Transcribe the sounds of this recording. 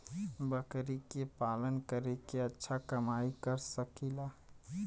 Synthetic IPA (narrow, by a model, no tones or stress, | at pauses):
bəkɾikepalənkəɾekeətːʃʰakəmaikəɾsəkila